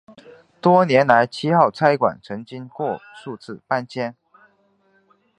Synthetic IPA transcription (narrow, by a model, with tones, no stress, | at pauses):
t̪wɔ˥njɛ˧˥nla˧˥ɪt͡ɕʰi˥xɑ˥˩ʊt͡sʰa˥ɪkwa̰˨˩nt͡sʰɤ˧˥ŋt͡ɕi˥ŋkwɔ˥˧ʂu˥˧t͡sɹ̩˥˩pa˥˧nt͡ɕʰjɛ˥n